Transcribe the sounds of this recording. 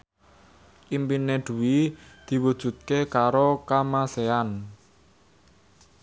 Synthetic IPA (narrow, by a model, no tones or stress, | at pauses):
ʔimpineɖ̪̥ṳwid̪̥i̤wud̥ʒ̥ṳt̪̚kekaɾokamasean